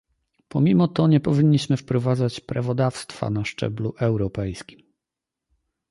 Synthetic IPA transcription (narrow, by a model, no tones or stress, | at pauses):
pɔmʲimɔt̪ɔɲɛpɔvʲiɲːiɕmɘfpɾɔvad̪zat͡ɕpɾavɔd̪afst̪fa̰naʂt͡ʂɛ̰bluʔɛwɾɔpɛjskʲim